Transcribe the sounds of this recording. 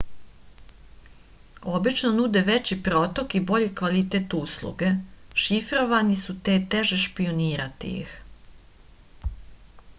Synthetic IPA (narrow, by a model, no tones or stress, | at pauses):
o̞bit͡ʃnonud̪eʋet͡ɕipɾoːt̪o̞kibo̞ʎikʋalit̪eːt̪uslˠṵɡeʃifɾo̞ʋanisut̪e̞ːt̪eʒeʃpioniːɾat̪ḭjḭx